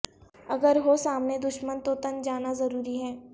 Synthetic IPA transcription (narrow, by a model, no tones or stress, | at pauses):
ɐɡəɾɦosaːmned̪ʊʃmənt̪ot̪ɐnd͡ʒaːnazɐɾuːɾiɦɛː